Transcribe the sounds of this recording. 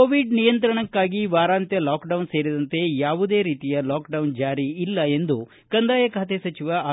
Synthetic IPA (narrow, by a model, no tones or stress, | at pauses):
oːʋiɖnijɐnt̪ɾɐɳɐkːaːɡiʋaːɾaːnt̪jɐlaːkɖɐwnse̞ːɾid̪ɐnt̪e̞jaːʋud̪e̞ːɾiːt̪ijɐlaːkɖɐwnd͡ʒaːɾiilːɐe̞nd̪u | kɐnd̪aːjɐkʰaːt̪esɐt͡ʃiʋɐaː